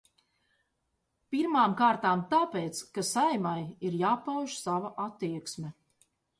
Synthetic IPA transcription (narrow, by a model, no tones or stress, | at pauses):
piɾmaːmkaːɾt̪aːmt̪aːpeːt̪skasajmajiɾjaːpawʒsavaʔat̪ːiɛksmʲɛ